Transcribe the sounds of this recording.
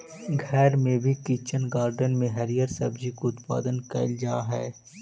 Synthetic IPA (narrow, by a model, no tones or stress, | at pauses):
ɡʱɛːɾmẽbʱikit͡ʃənɡaːɾɖənmẽɦɐɾijəɾsɐbd͡ʒikoʊt̪pa̰ːd̪ənkɐ̰ɪld͡ʒaːɦɛː